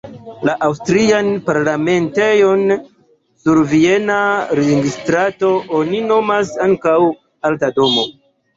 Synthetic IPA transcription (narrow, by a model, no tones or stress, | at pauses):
laʔawstɾianpaɾlame̞ntejo̞n | suɾvie̞naɾeɡistɾato̞ʔonino̞masaŋkaw | altado̞mo̞